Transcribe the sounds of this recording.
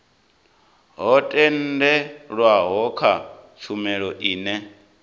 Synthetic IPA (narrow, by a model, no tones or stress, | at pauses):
ɦɔtʼɛndɛɺwaɦɔkʰat͡ʃʰumɛɺɔʔiːnɛ